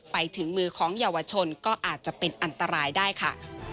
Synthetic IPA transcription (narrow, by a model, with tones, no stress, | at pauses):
pa˧jt̪ʰɯ˩˦ŋmɯː˧kʰɔː˩˦ŋjaː˧wa˧t͡ɕʰo˧nkɔː˥˩ʔaː˨˩t̪̚t͡ɕa˨˩ʔpe˧nʔa˧nt̪a˧ɾaː˧jdaː˥˩jkʰa˥˩